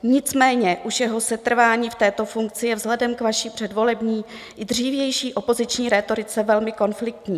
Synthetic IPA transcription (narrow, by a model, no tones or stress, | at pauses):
ɲɪt͡smɛːɲɛʔuʃjɛɦosɛt̪r̩vaːɲiːft̪ɛːt̪o̞fuŋk̚t͡sɪjɛvzɦlɛdɛmkvaʃipr̝̥ɛdvo̞lɛbɲiː | ʔɪd̪r̝iːvjɛjʃiːʔo̞po̞zɪt͡ʃɲiːɾɛt̪o̞ɾɪt͡sɛvɛlmɪko̞nflɪk̚t̪ɲiː